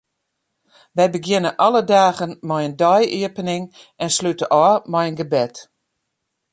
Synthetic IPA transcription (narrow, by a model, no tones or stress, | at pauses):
ʋɛjbəɡjɪnəʔɔlədaːɣənmɔjəndɔjiəpənɪŋ | ɛnslytəʔɔmɛjənɡəbɛt